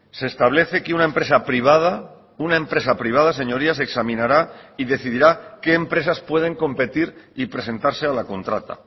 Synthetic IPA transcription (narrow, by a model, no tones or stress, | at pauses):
se̞ːst̪aβ̞le̞θekeunaempɾe̞sapɾiβ̞að̞a | unae̞mpɾe̞s̬apɾiβ̞aðase̞ɲo̞ɾiaseksamĩnaɾaiðe̞θiðiɾake̞ːmpɾe̞saspwe̞ð̞e̞ŋko̞mpe̞t̪iɾipɾe̞s̬e̞nt̪aɾse̞alako̞nt̪ɾat̪a̰